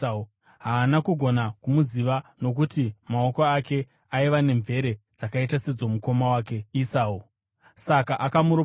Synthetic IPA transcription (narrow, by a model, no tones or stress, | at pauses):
ɦaːnakuɡʱo̞nakumuziʋano̞k̬utimao̞koake̞ | aiʋane̞ɱve̞ɾe̞d͡zakaitased͡zo̞muko̞mawaːke̞isaːu | sakaʔakamuɾo